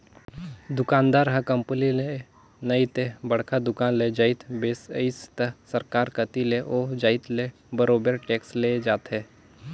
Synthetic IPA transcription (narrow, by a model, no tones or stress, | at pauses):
d̪ʊkaːnd̪aːɾɦɐ̃kɐ̃mpənile | nəit̪ebɐɽ̤kʰad̪ʊkaːnled͡ʒaɪt̪beːsɪst̪ɐsɐɾkaːɾkət̪ileʔoːd͡ʒaːɪt̪le | bəɾoːbəɾʈeːksled͡ʒaːt̪ɦɛ